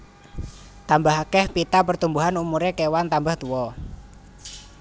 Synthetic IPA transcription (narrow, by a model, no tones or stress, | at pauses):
t̪ambaɦakɛhpit̪apərt̪umbuɦanumuɾekewant̪ambaht̪uwɔ